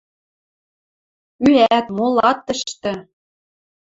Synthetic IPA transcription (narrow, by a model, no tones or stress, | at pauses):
yæt̪molɑt̪ːɤ̆ʃt̪ɤ̆